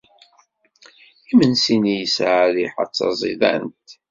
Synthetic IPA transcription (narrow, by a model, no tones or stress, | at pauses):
imənsinijəsʕaliħɑ̰t͡sːɑ̰zˤḭðæ̰nt̪